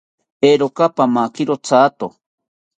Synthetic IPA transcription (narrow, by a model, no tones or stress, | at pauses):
eɾokapamakiɾot͡sʰaːt̪o